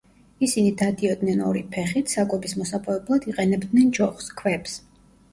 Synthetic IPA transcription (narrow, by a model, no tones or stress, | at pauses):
isinid̪ad̪iɔd̪nɛnɔɾipʰɛχit̪ʰsakʼwɛbismɔsapʼɛɛblˠad̪iqʼɛnɛbd̪nɛnd͡ʒɔχskʰwɛps